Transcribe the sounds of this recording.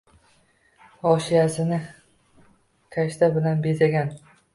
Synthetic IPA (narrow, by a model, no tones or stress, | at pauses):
ɒʃijasɪnɪ | kʲʰaʃt̪ʰabɪlanbe̞zaɡʲan